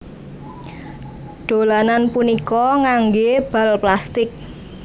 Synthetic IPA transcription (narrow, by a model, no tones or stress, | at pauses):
ɖ̪̥o̤lananpunikɔŋaŋɡeb̥a̤lplast̪ɪk̚